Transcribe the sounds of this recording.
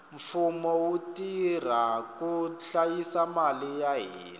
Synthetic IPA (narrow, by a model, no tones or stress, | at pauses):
ɱfumɔwutir̤akuɬajisamalijaɦiːla